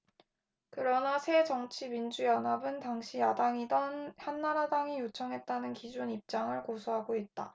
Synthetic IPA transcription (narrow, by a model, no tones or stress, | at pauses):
kɯɾʌnasʰe̞t͡ɕʌŋt͡ɕʰimind͡ʑujʌnabɯntaŋɕʰijadaŋidʌnhanːaɾadaŋijot͡ɕʰʌŋɦe̞t̚t͈anɯnkid͡ʑunip̚t͡ɕ͈aŋɯɭkosʰuɦaɡoit̚t͈a̰